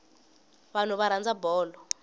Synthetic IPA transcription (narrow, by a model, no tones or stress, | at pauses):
βan̤uβaɾand͡zabɔːlɔ